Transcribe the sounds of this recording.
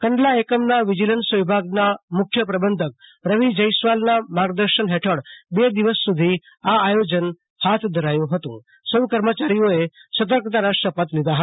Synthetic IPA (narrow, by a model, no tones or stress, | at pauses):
kəɳɖlaekəmnaʋid͡ʒilənsʋibʱaɡnamʊkʰjəpɾəbənd̪ʱək̚ɾəʋid͡ʒəjsʋalnamaɡd̪əɾʃənɦɛʈʰəɽbed̪iʋəsːud̪ʱi | aːjod͡ʒən | hat̪ʰd̪ʱəɾajũɦət̪ṵ̃ | səʋkəɾmət͡ʃaɾijoesət̪̬əɾkt̪anaʃʈəpət̪lid̪aɦət̪a